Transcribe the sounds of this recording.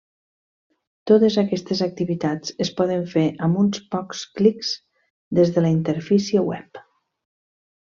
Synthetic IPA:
t̪ot̪əzəkɛst̪əzək̚t̪iβit̪at͡səspɔðəɱfeʔəmunspɔksklikz | d̪ezðələint̪əɾfisiəwɛ̰p

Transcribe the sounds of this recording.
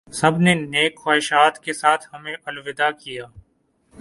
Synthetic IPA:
sɐbʱneneːkxaːɪʃaːt̪kesaːt̪ʰhɐmẽʔʊlʋɪd̪akijaː

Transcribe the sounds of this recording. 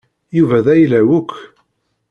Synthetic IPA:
juvæðæjlæwʊkː

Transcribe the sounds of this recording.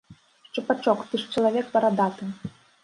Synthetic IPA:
ʂt͡ʂɨpat͡ʂɔkt̪ɨʂt͡ʂɐlˠavʲɛkpɐɾad̪at̪ɨ

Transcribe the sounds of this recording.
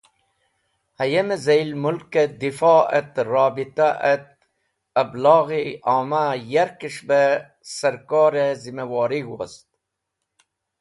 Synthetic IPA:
hɐjemezɐjlmulked̪ifɑːə̰t̪ɾɑːbit̪aʔɐt̪̚ | ɐblɑːɣiɑːmajɐɾkiʂbe | sɐɾkɑːɾezimewɑːɾiɡwo̰st̪̚

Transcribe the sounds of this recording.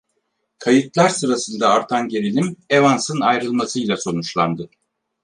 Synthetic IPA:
kʰajɯt̪lˠaɾsɯɾasɯnd̪aːɾt̪ʰanɟeɾilʲimevansɯnajɾɯlˠmasɯjlʲˠaso̞nut͡ʃlˠand̪ɯ

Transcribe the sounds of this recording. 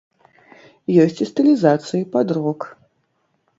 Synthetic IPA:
jɔsʲt͡sʲist̪ɨlʲizat̪sɨjipad̪ɾɔk

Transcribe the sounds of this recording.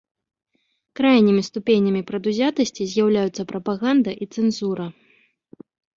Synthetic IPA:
kɾajnʲimʲist̪upʲenʲːɐmʲipɾɐd̪uzʲat̪ɐsʲt͡sʲizʲjawlʲajut̪sːɐpɾɐpaɣand̪ɐʔit̪sɛnzuɾɐ

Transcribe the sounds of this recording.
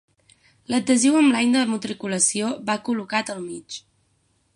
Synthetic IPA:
ləd̪əziwəmblajɲnd̪əmut̪ɾikuləsioβakulukat̪əlˠmit͡ʃ

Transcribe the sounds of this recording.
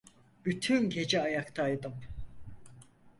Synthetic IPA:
b̥yt̪ʰynɟe̞d͡ʒɛajakt̪ʰajd̪ɯm

